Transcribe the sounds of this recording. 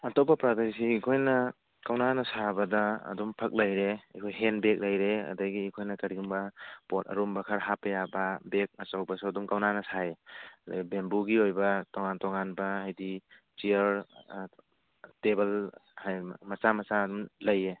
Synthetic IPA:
ɐtopapɾaɡaɾisiikʰojnɐ | kawnanɐsabɐda̰ːdumpʰɐk̚lajɾḛkʰojɦenbek̚lajɾeɐ̰daɡiikʰojnɐkɐɾiɡumbapotɐ̰ɾumbɐkʰɐɾɦapɐjababek̚ɐsawbasuɐdumkawnanɐsaeɐda̰ɡibembuɡiojbɐtoŋantɔŋanbaajdi | t͡ʃiəɾ | tebɐlhajmɐsamɐsadumlɐje

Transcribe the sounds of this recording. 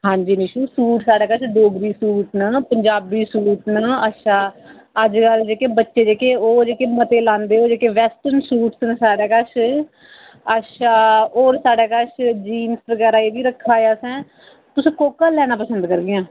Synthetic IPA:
ɦãːɲd͡ʒiːniːʃuːsuːʈsaːɽaːkət͡ʃʰɖoːɡɾiːsuːʈnaːpəɲd͡ʒaːbiːsuːʈnaːətʃaː | əd͡ʒkəld͡ʒeːkeːbətːʃeːd͡ʒeːkeːoːd͡ʒeːkeːmət̪eːlãːnd̪eːoːd͡ʒeːkeːʋɛːsʈəɾnsuːʈsnːsaːɽaːkəʃʰ | əʃaːoːɾsaːɽaːkət͡ʃʰd͡ʒiːnsʋəɡɛːɾaːeːbiːɾəkʰːaːjaːsɛ̃ː | t̪ʊsũːkoːkaːlɛːnaːpəsə̃nd̪kəɾɡɪjãː

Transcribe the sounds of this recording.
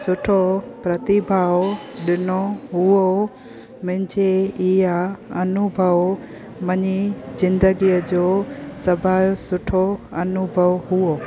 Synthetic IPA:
sʊʈʰopɾɐt̪ɪbʱaːʋɗɪnoɦʊo | mɪ̃ɦɪ̃ɲd͡ʑeɪjaɐnubʱəʋ | mɐɲizɪ̃nd̪əɡiəd͡ʑoːsɐbʱaːjosʊʈʰoɐnʊbʱəʋɦʊo

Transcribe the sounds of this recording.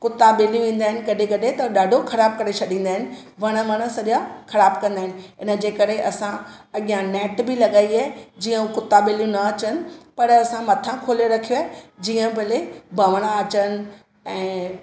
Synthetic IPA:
kʊt̪aɓeːljũʋẽːn̆d̪aːɦɪnɪ̆kɐɗʱẽkɐɗʱet̪ɐɗaːɖʱoxʰɐɾaːb̚kɐɾet͡ɕʰɐɗĩːn̆d̪aːɦɪnɪ̆ | ʋɐɽ̃ə̆ʋɐɽ̃əsɐɗaxɐɾaːbkɐ̃nd̪aɦɪnɪ̆ɪnə̆d͡ʑeːkɐɾeʔɐsãɐɠjãnɛːʈbɪlɐɠaːiaɦed͡ʑiːə̃ukʊt̪aɓeːlijũnɐɐt͡ɕənɪ̆pɐɾɐsãmɐt̪ʰãkʰoːloɾɐkʰijoed͡ʑiːə̃bʱɐlebʱɐʋəɽ̃aɐt͡ɕənɪ̆ | ɛ̃ː

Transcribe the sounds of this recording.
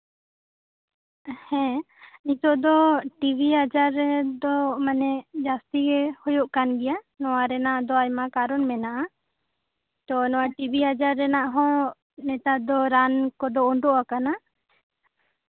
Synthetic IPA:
hɛ̃ | nit̪ɔʔd̪ɔʈibʱiad͡ʒaɾɛd̪ɔmanɛd͡ʒast̪iɡɛhɔjɔʔkanɡɛja | nɔwaɾɛnaʔd̪ɔajmakaɾɔnmɛnaʔa | t̪ɔnɔwaʈibʱiad͡ʒaɾːɛnaʔɦɔ̃ | nɛt̪ad̪ɔɾankɔd̪ɔɔɳɖɔʔakana

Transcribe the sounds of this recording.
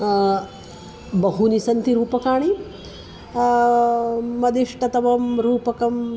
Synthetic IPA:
bɐɦunisɐnt̪iɾuːpɐkaːɳi | mɐd̪iʂʈɐt̪ɐʋɐmɾuːpɐkɐm

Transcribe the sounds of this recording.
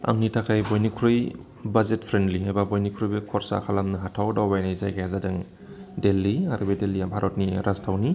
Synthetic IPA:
a̰ŋnitʰakʰajbɔjnikʰuɾɯj | bazet̚pʰɾendliɦajbabɔjnikʰɾɯjbekʰɔɾsa̰kʰalamnɯɦatʰawdawbajnajzajkʰajazadɯŋ | delːiaɾʔɯbedeliabʱaɾɔt̚niɾʔastʰawni

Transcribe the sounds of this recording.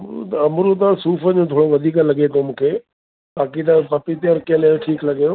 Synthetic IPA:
t̪ɐmɾut̪̬ãsuːfəd͡ʑõːt̪ʰoːɽoʋɐd̪ʱiːkãlɐɠet̪omũːkʰeː | baːkit̪̬ɐpɐpit̪ʰeɔɾkẽlɐõʈʰiːklɐɠjõː

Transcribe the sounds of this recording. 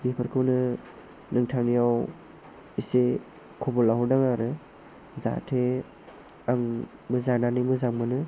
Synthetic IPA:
bipʰɯɾkʰɯwnɯ | nɯŋtʰaŋijaw | ise | kʰubɔlaɦudaŋaɾɯ | za̰tʰe | aŋ | bɯzananɯmɯzaŋmɯnɯ

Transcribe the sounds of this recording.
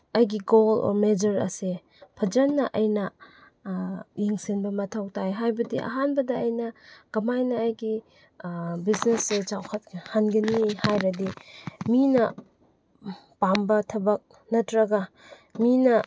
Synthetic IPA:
ɐjɡiɡolɔ̰ɾmed͡ʒɐɾɐ̰se | pʰɐd͡ʒɐnːɐʔɐjnɐ | jeŋsenbɐmɐtʰawtʰajɦajbɐdiʔɐ̰ɦanbɐdɐːjnɐkɐmajnɐːjɡi | biznesːet͡ʃawkʰɐthanɡɐnihajɾɐdiminɐ | pambɐtʰɐbɐk̚ | nɐtɾɐɡɐ | minɐ

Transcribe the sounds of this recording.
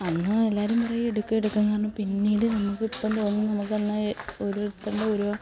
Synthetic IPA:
ɐnːɨelːaːɾumpɐrɐjueɽukːɨeɽukːɐnkaːrɐɳumpinːiːɽɨnɐmːukːɨipːɐnd̪oːnːunɐmukːelːɐeoɾueɽut̪ːɐɳɖɐoɾo

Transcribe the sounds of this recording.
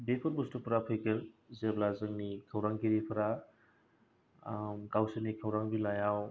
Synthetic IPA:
bepʰɔɾbustupʰɾapʰɯjkelzeblazɯŋnikʰawɾaŋkiɾipʰɐɾa | mkawsenikʰawɾaŋbilajaw

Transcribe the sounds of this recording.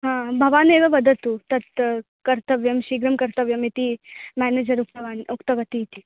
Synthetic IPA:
ɦãːbʱɐʋaːneːʋɐʋɐd̪ʱɐt̪ut̪ɐt̪ | kɐɾt̪ɐʋjɐmʃiːɡɾɐmkɐɾt̪ɐʋjɐmit̪imæːneːd͡ʒɐɾuk̚t̪ɐʋaːnukt̪ɐʋɐt̪it̪i

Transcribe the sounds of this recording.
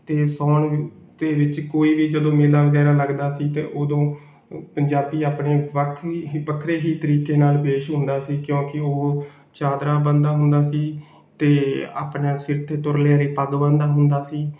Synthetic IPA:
t̪eːsɔːɳd̪eːʋɪt͡ʃkoːiːʋiːd͡ʒəd̪õːmɪlːaːʋəɡɛːɾaːləɡd̪aːsiːt̪ḛːʔoːd̪õː | pəɲd͡ʒaːbiːaːpɳeːʋəkʰʋəkʰɾeːɦiːt̪əɾiːkeːnaːlpeːʃɦʊnd̪aːsiːkjõːkɪoː | t͡ʃaːd̪ɾaːbənd̪aːɦʊnd̪aːsiː | t̪eːa̰ːpɳaːsɪɾt̪ʰeːt̪ʊɾleaːɾeːpəɡbənd̪aːɦʊnd̪aːsiː

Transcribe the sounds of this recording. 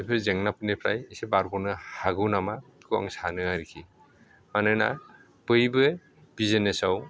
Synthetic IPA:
pʰɯɾzeŋnapʰɯnepʰɾa̰jisebaɾɡɔnɯhaɡɯwnamakɯwa̰ŋsanɯaɾikʰi | manɯna̰ | pɯjbɯ | b̥izenesaw

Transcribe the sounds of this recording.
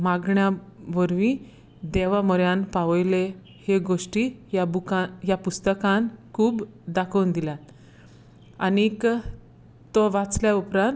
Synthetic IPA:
maɡɳjaʋəɾʋĩ | d̪eʋamɔɾjanpaʋəjle | heɡoʂʈiːabukajapust̪əkãnkʰuːb | d̪akʰəwnd̪ila | ank | t̪ɔʋat͡sljaupɾãn

